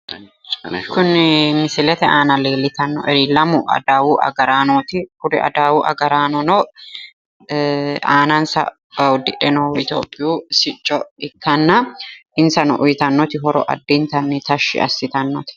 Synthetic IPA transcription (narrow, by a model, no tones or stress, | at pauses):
kʊnmɪsɪlɛt̪ɛaːnɐleːlːɪt̪ɐnːɔ̰ʔɛɾilːɐmʊʔɐ̰d̪aːwuːʔɐ̰ɡɐɾaːnot̪ɪkʊɾɪ̰ʔɐ̰d̪aːwuːʔɐ̰ɡɐɾaːnɔnɔ | aːnansɐ̰ | ʊd̪ːɪᶑɛnɔɪt̪o̰ːpʼːɪjuːsɪt͡ʃʼːɔɪkʰːɐnːɐʔɪnsɐnɔʔʊjɪt̪ɐnːɔt̪ɪɦɔɾɔ̰ʔɐ̰d̪ːiːnt̪ɐnːɪt̪ɐʃːɪ̰ɐ̰sːɪt̪ɐnːɔt̪ɪ̥